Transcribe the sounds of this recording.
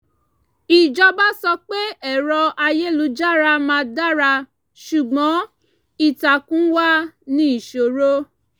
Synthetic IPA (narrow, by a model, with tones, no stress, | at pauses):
i˨d͡ʒɔ˧ba˦sɔ˧k͡pe˦ɛ˦˨ɾɔ˧a˧je˦lu˨˧d͡ʒa˦˨ɾa˧mãː˧da˦ɾa˧ | ʃu˨ɡ͡bɔ̃˨˦ | i˦˨ta˨kũ˦wa˦nĩ˦i˦˨ʃo˨ɾo˦